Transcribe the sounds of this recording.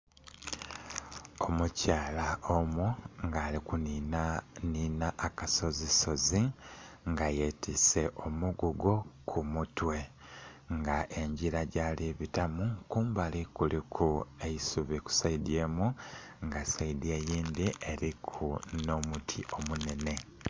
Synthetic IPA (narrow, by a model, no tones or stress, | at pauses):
o̞mucaːlaomuŋɡaːlikuninaniːnaʔːkaso̞ziso̞zi | ŋɡajetʰise̞ʔo̞muɡuɡo̞kʰumutwe̞ | ŋɡaʔe̞ɲɟiɾaɟaliβitamukuːmbalikulikʰue̞jisuβiku̥saide̞ːmuŋɡasaidje̞jiːnd̪iʔe̞ɾikʰuno̞mutʰiʔo̞mune̞ne̞